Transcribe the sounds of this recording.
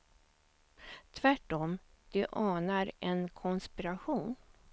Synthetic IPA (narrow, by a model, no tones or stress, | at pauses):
t̪ʰvæʈːɔm | d̪̥ɵʔɑːnaɾɛnkʰɔnspɪɾaɧuːn